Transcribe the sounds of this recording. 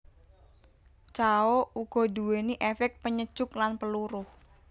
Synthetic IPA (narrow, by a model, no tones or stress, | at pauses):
t͡ʃaouɡ̥ɔ̤duweniʔefɛk̚t̪̚pəɲəd̥ʒ̥ʊklanpəluɾʊh